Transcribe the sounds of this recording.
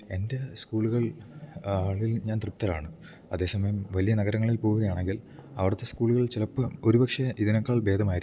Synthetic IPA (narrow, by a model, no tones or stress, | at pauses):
e̞nde̞skuːɭuɣɐɭ | aːɭilɲaːnt̪rɨp̚t̪ːɐlaːɳɨ | ɐðe̞ːsɐmɐjɐmʋɐlijɐnɐɣɐɾɐŋːɐɭilpoːɣɣɐjaːɳe̞ŋɡilɐʋɐɽɐt̪ːe̞skuːɭuɣɐɭt͡ɕilɐpːɐo̞ɾubɐkʂɐʔiðinɐkːaːɭbe̞ːd̪ʱɐmaːjiɾ